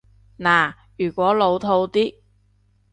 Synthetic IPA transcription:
naː˨˩ | jyː˨˩kʷɔː˨˥lo˨˧wt̪ʰo˧wt̪iː˥

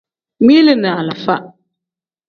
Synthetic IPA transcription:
mi˦lɨ˨na˨la˨fa˦ʔ

